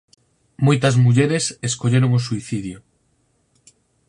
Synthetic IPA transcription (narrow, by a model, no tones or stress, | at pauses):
mojt̪ɐzmuʎeɾeseskoʎeɾoŋosuiθiðjo